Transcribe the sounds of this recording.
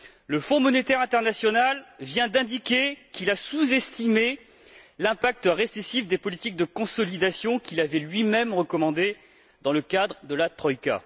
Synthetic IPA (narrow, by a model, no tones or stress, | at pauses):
ləfɔ̃mɔnet̪ɛʁɛ̃t̪ɛʁnasjɔnalvjɛ̃d̪ɛ̃d̪ikʲekilasuzɛst̪ime | lɛ̃pak̚t̪əʁesesifd̪epɔlit̪ik̚d̪əkɔ̃sɔlid̪asjɔ̃kʲilavɛlɥimɛmʁəkɔmɑ̃d̪e | d̪ɑ̃ləkad̪ʁəd̪əlat̪χɔjka̰